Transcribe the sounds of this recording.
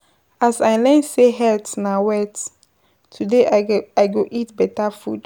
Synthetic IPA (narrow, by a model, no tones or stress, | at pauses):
asaɪlɛ̃nseɦɛltnawɛt | tʰudeaɪɡoʔitbɛtafud̥